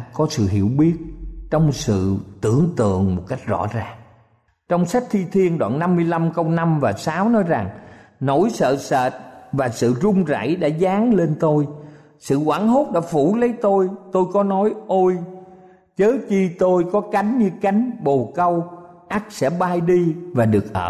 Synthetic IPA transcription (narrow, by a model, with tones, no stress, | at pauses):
kɔ˨˦sɨ̰˧˨ɦḭ˧˩əwɓi˦˥ət̚t͡ɕɔ˧wŋ͡msɨ̰˧˨t̪ɨ̰˧˩əŋt̪ɨ̰˧˨əŋmo˨˩t̚ka˦˥jk̟̚zɔ̰˧˥zaː˨˩ŋ | t͡ɕɔ˧wŋ͡msa˦˥jk̚t̪ʰi˧t̪ʰi˧ənɗwa̰ː˧˨nːa˧mːɨ˧əjla˧mkə˧wna˧mvaː˨˩saː˨˦wnɔ˨˦jza˨˩ŋ | no˧˩jsə̰ː˧˨səː˧˨t̚vaː˨˩sɨ̰˧˨zʊ˧ŋ͡mza̰˧˩jɗa̰ː˧˥zaː˨˦ŋle˧nt̪o˧j | sɨ̰˧˨kwaː˧˩nɦo˦˥t̚ɗa̰ː˧˥fṵ˧˩lə˨˦jt̪o˧jt̪o˧jkɔ˨˦nɔ˨˦jʔo˧j | t͡ɕəː˨˦t͡ɕi˧t̪o˧jkɔ˨˦ka˨˦jŋ̟ɲɨ˧ka˨˦jŋ̟ɓo˨˩kə˧w | ʔa˦˥k̚sɛ̰˧˥ɓaː˧jɗi˧vaː˨˩ɗɨ˨˩ək̚ʔə̰ː˧˨